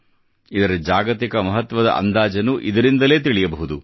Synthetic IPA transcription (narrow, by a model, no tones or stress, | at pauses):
id̪ɐɾɐd͡ʒaːɡɐt̪ikɐmɐɦɐt̪ʋɐd̪ɐ̰ʔɐ̰nd̪aːd͡ʒɐnuʔid̪ɐɾind̪ɐle̞ːt̪iɭijɐbɐɦud̪u